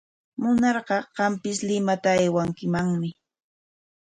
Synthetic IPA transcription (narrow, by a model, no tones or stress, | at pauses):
mʊnɑɾɢɑɢɑmpɪslɪmat̪aajwaŋkɪmaŋmɪ